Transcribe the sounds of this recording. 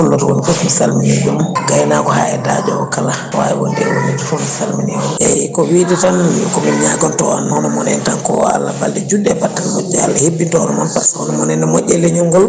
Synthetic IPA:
ulːɔtɔwonifofmisalmiined͡ʒumɡajnakɔhaːɛdad͡ʒɔwɔkala | waɛwɔndɛwo̰lːitɔfofisalmined͡ʒumjajkɔwiditankɔmɛnɲaɡɔntɔanhɔnɔmɔnɛntankɔa̰lːabaldɛd͡ʒudːɛbatːanmɔɟːɛa̰lːahebːintɔhɔnɔmɔnpashɔnɔmɔnɛnɛmoʔʲːɛleɲɔŋɡɔl

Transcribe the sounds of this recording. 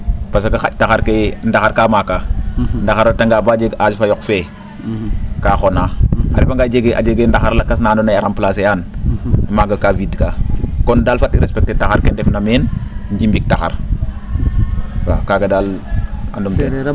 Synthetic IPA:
pas̬akaxac̚taxaɾkendaxaɾkaːmakːandaxaɾotaŋɡabaːd͡ʒeɡasifajɔkfe | kaːxonaːa̰ɾifaŋɡad͡ʒeɡeʔa̰d͡ʒeɡendaxaɾlakas̬naːndunajaɾamplasejaːn | maɡakavidkakɔndalfatiɾespek̚tetaxaɾkendefnamenɲd͡ʒimbik̚taxa̰ɾ | fa̰kaɡedala̰ndumte

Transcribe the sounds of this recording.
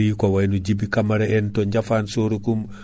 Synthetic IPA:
ikowajnud͡ʒibikamaɾeentoɲɟafaːnsoːɾukum

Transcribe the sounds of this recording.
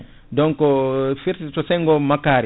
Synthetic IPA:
dɔŋkɔfiɾsisɔsɛjŋɡɔmakːaːɾi

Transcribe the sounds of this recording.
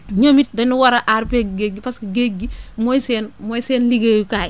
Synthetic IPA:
ɲomit̚dɐnuwɐɾɐʔaɾpeɡɡeɡipaskɐɡeɡimojsɛːnmɔjsɛːnliɡejukaːj

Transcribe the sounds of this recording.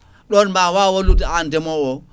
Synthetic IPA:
ɗɔnmbawawolutiandɛmɔwɔ

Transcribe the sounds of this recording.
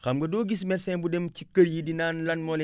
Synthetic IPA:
xɐmɡɐdoːɡis̬mɛsɛnbudemcikɐɾjidinaːnlɐnmɔl

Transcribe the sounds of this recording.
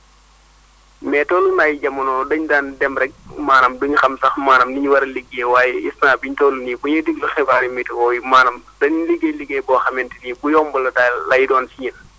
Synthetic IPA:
mɛːtɔlunaːjɟɐmunɔdɐɲdaːndɛmɾɛk̚maːnɐmduɲxɐmsɐxmaːnɐmniɲwɐɾliɡːewaːjɛisnaːbiɲtɔːluniːbuɲɐdiɡluxɛbaɾimitwɔːjimaːnɐmdɐɲliɡeliɡɛbɔːxɐmɛntinibujɔmbɐlɐdalɐjidɔːnsiɲən

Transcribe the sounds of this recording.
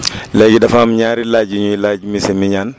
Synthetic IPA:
lɛɡidɐfamɲaːɾilaːd͡ʒiɲuilad͡ʒmisɛmiɲaːn

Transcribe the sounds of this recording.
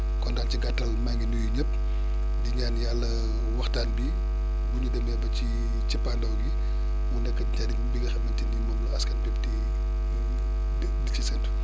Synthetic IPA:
kɔndaːnciɡatːɐlmaŋɡinujuɲɐp̚ | diɲaːnjalːɐ | wɐxtaːnbi | buɲudɐmɛːbɐt͡ʃi | t͡ʃipːandɐwɡi | mundɛkːɐɟadiŋbiɡɐxɛmmɐntindimɐnlɔɐskɐnbɛpdi | dicisɛntu̥

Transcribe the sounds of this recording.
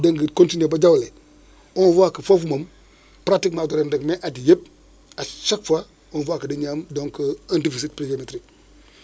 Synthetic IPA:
daŋɡəkõntinebad͡ʒawle | onfakəfofumam | pɾatikmatuɾendəkmeʔatjep̚ | at͡ʃakfa | onfakədiɲamdoŋkəantifisit̚plid͡ʒometɾik̚

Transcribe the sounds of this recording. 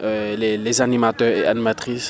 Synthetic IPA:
ølelezanimat̪œʁḛʔa̰nimat̪χis

